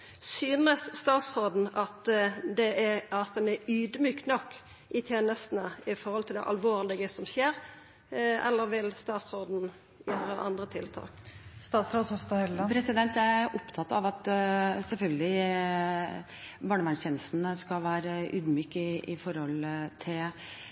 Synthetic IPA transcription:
syːnəsːt̪ɑːt̪sʁoːd̪n̩ɑt̪d̪ɛɑt̪d̪ɛnɛyːd̪myːknɔkː | ʔɪt̪ʰjeːnəst̪n̩əɪfɔɾhɔlt̪ʰɪld̪ɛ̰ʔɑ̰lʋoːɾlɪɡəsɔmɕeːɾ | ʔɛ̰lːəɾʋɪlst̪ɑːt̪soːd̪n̩ | jøːɾəʔɑ̰nd̪ʁət̪ʰɪlt̪ʰɑ̰ːst̪ɑːt̪sɾoːd̪hɔfst̪ɑhœlɑpʰɾɛsɪd̪ɛnt̪jææɾʔʊpt̪ʰɑt̪ːɑʋɑt̪sɛlfœlɡəlɪ | bɑːɳəʋæɳsɛːnəst̪n̩skɑʋæːɾəʔʉːd̪myːkɪɪfɔɾhɔlt̪ʰɪl

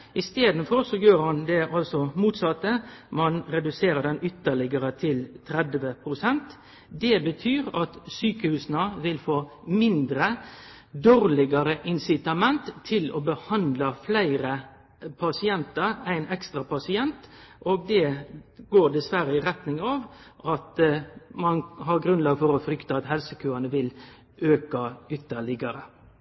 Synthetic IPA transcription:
ɪst̪eːd̪n̩fɔɾsɔjøːɾhɑnd̪ɛʔɑlsɔmuːt̪sɑt̪ːəmɑnɾɛd̪ʉseːɾəd̪ɛnʏt̪ːəɭɪɡəɾət̪ʰɪlt̪ʰɾɛd̪ʋəpʰɾʊsɛnt̪ | d̪ɛbət̪ʰyːɾɑt̪syːkəhʉːsnəʋɪlfoːmɪnd̪ɾə | d̪oːɾlɪɡɑɾəʔɪnsɪt̪ɑmɛnt̪ʰːɪlɔ̰bəhɑnd̪lɑflæɪɾə | pʰɑsɪɛnt̪ɑɾæɪnɛkst̪ɾɑpʰɑsɪɛnt̪ʔoːɡ̚d̪ɛɡoːɾd̪ɛsʋæɾəɪʁɛt̪nɪŋɑːʋ | ʔɑt̪mɑnhɑɾɡɾʉnlɑːɡfɔɾɔfɾʏkt̪ɑɑt̪hɛlsəkʰʉːɑnəʋɪl | ʔøːkɑʏt̪ːəɭɪɡɑɾə

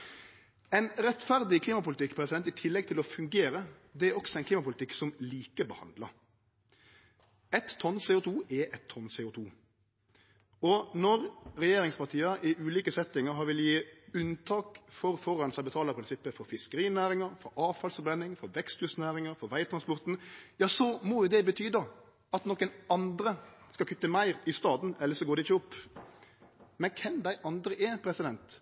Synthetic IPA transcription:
ɛɪnɾɛt̪fæɾd̪ɪkʰliːmɑpʊlɪt̪ʰɪkːpʰɾɛsɪd̪ɛnt̪ɪt̪ʰɪlːɛɡ̚t̪ʰɪlɔfʉŋɡeːɾə | d̪ɛæɾɔksɔɛɪnkliːmɑpʊlɪt̪ʰɪkːsɔmliːkəbəhɑ̰nd̪lɑ | ɛt̪ʰːɔnsɛʊt̪ʰuːʔɛʔɛt̪ʰːɔnsɛːʊt̪ʰuː | ɔnɔɾʁɛjeːɾɪŋspɑʈ̪ʰiːəʔɪʔʉːliːkəsɛt̪ːɪŋəɾɦɑɾʋɪljiːʉnt̪ʰɑːkfɔɾfɔɾːɑnsɛbət̪ʰɑːləpɾɪnsɪpːəfɔɾfɪskəɾiːnæːɾɪŋəɾfɔɾɑːʋfɑlsfɔɾbɾɛnːɪŋfɔɾʋɛkst̪ʉsnæːɾɪŋəɾfɔɾʋæɪt̪ʰɾɑnspɔɾt̪n̩jɑːsɔmɔjʊd̪ɛbət̪ʰyːd̪ɑ | ɑt̪nɔkːənɑnd̪ɾəskɑkʰʉt̪ːəmæɪɾɪst̪ɑːd̪n̩ɛlːəsɔɡoːd̪ɛɪçːəɔpː | mɛnkʰɛnd̪æɪʔɑnd̪ɾəʔɛpʰɾɛsɪd̪ɛnt̪

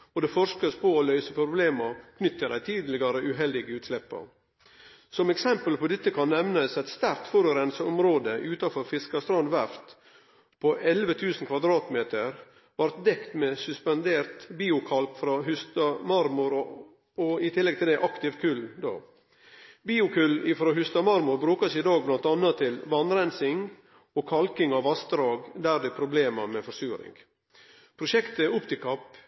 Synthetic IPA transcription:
ɔd̪ɛfɔʂkəspɔːlœʏsəpʰɾʊbleːməkʰnʏt̪ːəd̪æɪt̪ʰiːd̪lɪɡɑɾəʔʉɦɛld̪ɪɡəʉːt̪slɛpːə̰ | sɔmɛksɛmpəlpɔd̪ɛt̪ːəkʰɑnːɛʋnəsɛt̪st̪æɾkt̪fɔɾʉɾɛnsəɔmɾoːd̪əʔʉːt̪ɑfɔɾfɪskɑst̪ɾɔnʋæɾft̪ | pʰɔʔɛlʋət̪ʰʉːsn̩kʰʋɑd̪ɾɑːt̪meːt̪əɾ | ʋɑɾt̪̚d̪ɛkt̪mesʉspɑnd̪eːɾt̪biːʊkʰɑlpfɾɑɦʉst̪ɑmɑɾmʊɾ | ɔɪt̪ʰɪlːɛɡt̪ʰɪld̪ɛʔɑkt̪ɪʋkʰʉld̪o̰ː | biːʊkʰʉlɪfɾoːɦʉst̪ɑmɑɾmʊɾbɾʉːkəsɪd̪ɑːɡ̚blɑnt̪ɑnːət̪ʰːɪlʋɑnɾɛnsɪŋ | ɔkʰɑlkɪŋɑʋɑsd̪ɾɑːɡd̪æɾd̪ɛpʰɾʊbleːmɑmɛfɔsʉːɾɪ̰ŋ | pʰɾʊʃɛkt̪əʊpt̪ɪkʰɑp

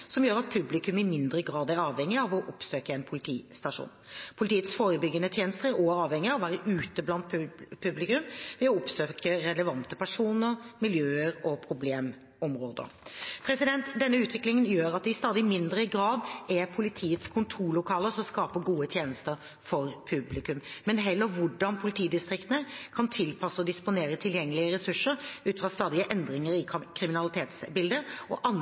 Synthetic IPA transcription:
sɔmjøːɾɑt̪̚pʰʉblɪkʉmɪmɪnd̪ɾəɡɾɑːd̪æɾɑːʋɛŋːɪɑʋɔʔʊpsøːkəɛnpʰʊlɪt̪ʰḭːst̪ɑʂṵːnpʰʊlɪt̪iːət̪sfoːɾəbʏɡːənət̪ʰjeːnəst̪əɾæɾɔɑːʋhɛŋɪɑʋɔʋæːɾəʔʉːt̪əblɑnt̪pʰʉblɪkʉmʋɪɔɔpsøːkəɾɛləʋɑnt̪əpʰæʂuːnəɾmɪljøːəɾɔpʰɾʊbleːm | ɔmɾoːd̪ə̰ɾpʰɾɛsɪd̪ɛnt̪d̪ɛnːəʉːt̪ʰʋɪklɪŋənjøːɾɑt̪d̪ɛɪst̪ɑːd̪ɪmɪnd̪ɾəɪɡɾɑːd̪ɛpʰʊlɪt̪ʰiːət̪skʰʊnt̪ʰuːlːʊkʰɑːləsɔmskɑːpəɡuːət̪ʰjeːnəst̪əɾ | fɔɾpʰʉblɪkʉmmɛnɦɛlːəʋʊɖɑnpʰʊlɪt̪ʰiːd̪ɪst̪ɾɪkt̪ənəkʰɑnt̪ʰɪlpʰɑsəɔd̪ɪspʊneːɾət̪ʰɪljɛŋːəlɪəɾɛsʉʂəɾʉːt̪fʁɑːst̪ɑːd̪ɪəʔɛnd̪ɾɪŋəɾɪkʰɾɪmɪnɑlɪt̪ʰeːt̪sbɪld̪əɾʔɔ̰ʔɑn

